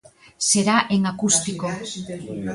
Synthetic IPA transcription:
se̞ɾaʔeŋakust̪iko̞

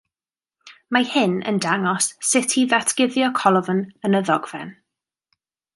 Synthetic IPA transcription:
mahɪnə̰ndaŋɔsːɪtʰiðatʰɡ̥ɪðjɔkʰɔlˠɔvənənəðɔɡvɛn

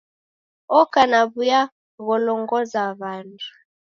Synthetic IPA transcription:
ɔkanaβuja | ɣɔlɔŋɡɔzaβandʰu̥

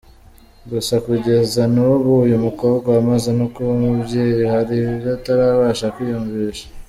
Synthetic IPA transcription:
ɡusakuɟe̞zanuβujumuko̞ːbɡwaːmaze̞nokuβumubɟe̞ːjihaɾiiɾataɾaβaːʃakujuɱviːʃḁ

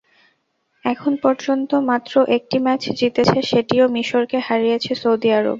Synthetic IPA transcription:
ɛkʰonpɔɾd͡ʑont̪omat̪ːɾoʔek̚ʈimɛt͡ɕd͡ʑit̪et͡ɕʰeʃeʈiomiʃoɾkehaɾijet͡ɕʰesowd̪iaɾo̰b

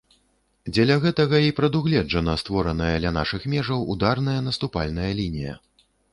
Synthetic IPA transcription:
d͡zʲɛlʲɐɣɛt̪ɐɣɐipɾɐd̪uɣlʲɛd͡ʐɐnɐst̪vɔɾɐnɐjɐd̪lʲɐna̰ʂɨxmʲɛʐɐwud̪arnɐjɐnɐst̪upalʲnɐjɐlʲinʲijɐ̰

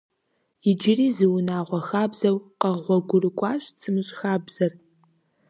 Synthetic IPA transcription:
ɪd͡ʒɪriːzɨwnaːʁʷɔxaːbzɐwqɐʁʷɔɡʷʊrɨkʷʼɑːɕʼt͡sʰɨmɨɕʼxaːbz̥ɐr

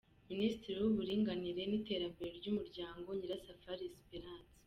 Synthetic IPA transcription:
minisitiɾiwuβuɾiːŋɡaniɾe̞nite̞ːɾambe̞ɾeɾɟumuɾɟaːŋɡo̞ɲiɾasafaɾispeɾaːnsi̥

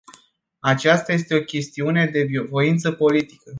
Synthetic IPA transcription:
at͡ʃast̪aje̞st̪e̞o̞kʲe̞st̪iune̞d̪e̞biovo̞int̪səpo̞lit̪ikə

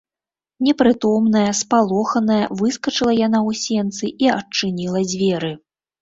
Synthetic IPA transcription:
nʲɛpɾɨt̪ɔmnɐjɐspalˠɔxɐnɐjɐvɨskɐt͡ʂɨlˠɐjan̪awsʲɛnt̪sɨʔiɐt͡ʂɨnʲilˠɐd͡zʲvʲɛɾɨ

